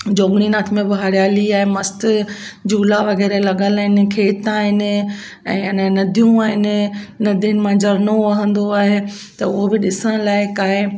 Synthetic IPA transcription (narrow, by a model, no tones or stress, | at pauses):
d͡ʑoːɡɽ̃inaːt̪ʰmẽbɐɦaːɾijaːliaːɦɪmɐst̪ | d͡ʑuːlaʋɐɣɛːɾelɐɠəlaɦɪnɪ̆kʰeːt̪aːɦɪnɪ̆ | ɛ̰̃ːɪnə̃nɐd̪ʱijũaːɦɪnɪ̆nɐd̪ʱənɪ̆mãd͡ʑɐɾnoɐːɦə̃nd̪oaːɦe | t̪ɐʊɦobɪɗɪsəɽ̃laːɪkaːɦɪ